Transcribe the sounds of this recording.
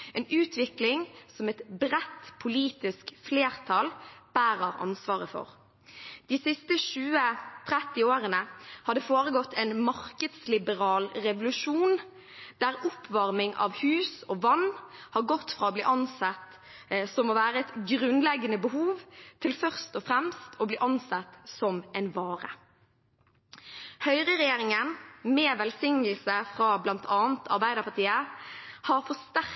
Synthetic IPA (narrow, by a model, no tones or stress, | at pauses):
ɛːnʉːt̪ʰʋɪklɪŋsɔmɛt̪bʁɛt̪pʰʊliːt̪ɪskfleːʁt̪ʰɑlb̥æːɾəʁɑ̰nsʋɑːʁəfɔ̰ʁ | d̪̥ɪsɪst̪əʃʉːət̪ʰʁɛt̪ːɪoːʁənəhɑd̪əfoːɾəɡɔt̪ʰːɛnmɑʁkəd̪slɪbəʁɑːlɾɛʋʊlʉʃuːn | d̪̥æʁʊpʰːʋɑʁmɪŋʔɑ̰ʋhʉːsɔːʋɑnːhɑɾɡɔt̪ːfʁɑːoːbliːʔɑnsɑt̪ | sɔmoːʋæːʁəɛt̪ɡʁʉnlɛɡənəbəhuːʋt̪ʰɪlfœʁst̪ɔfʁɛmst̪ʰɔbliːʔɑnsɑt̪sɔmɛɪnʋɑːʁə | hœʏʁəʁɛjeːʁɪŋənmɛːʋɛlsɪŋːəl̩səfʁɑblɑnt̪ʰɑːnt̪ʰɑ̰ʁbæɪd̪əʁpʰɑʁt̪ʰiːəhɑɾfɔst̪æʁ